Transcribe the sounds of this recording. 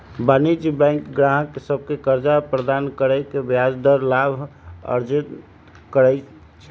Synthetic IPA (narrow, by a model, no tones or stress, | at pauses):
banid͡ʒbɛ̃ŋkɡɾaɦkːesəb̚ʱkekəɾd͡ʒapɾəd̪ankəɾəkebjad͡ʒd̪əɾlabʱə̰ɾd͡ʒən | kəɾə | t͡ʃʰɛ